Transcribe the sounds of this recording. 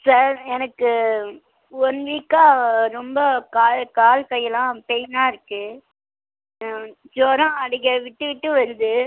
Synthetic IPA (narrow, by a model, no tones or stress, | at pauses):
sɐɾɛnɐkːɯ | ɔnʋiːkːaːɾɔmbɐkaːɭkaːlkɐjːɐlãːpɛjnaːɪɾɯkːɯ | d͡ʒoːɾɐ̃ɐɽɪkːɐʋɪʈːɯʋɪʈːɯʋɐɾɯd̪ɯ